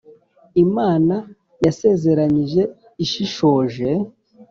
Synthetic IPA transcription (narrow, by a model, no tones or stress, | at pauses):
imaːna | jase̞ːze̞ɾaɲiʒe̞ | iʃiʃo̞ːʒe̞